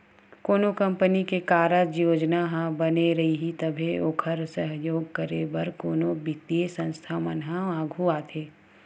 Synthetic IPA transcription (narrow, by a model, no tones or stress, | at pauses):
koːnokɐ̃mpənikekaːɾəd͡ʒjoːd͡ʒnaɦãbɐneɾɐɦiɦit̪ɐbʱeoːkʰəɾsəɦjoːɡ̚kəɾebɐɾkoːnobɪt̪iesɐ̃nst̪ʰaːmənɦãaːɡʱuaːt̪ʰeː